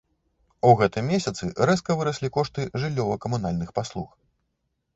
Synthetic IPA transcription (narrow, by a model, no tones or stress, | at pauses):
uɣɛt̪ɨmʲesʲɐt̪sɨɾɛskɐvɨɾɐsʲlʲikɔʂt̪ɨʐɨlʲːɔvɐkɐmunalʲnɨxpaslˠux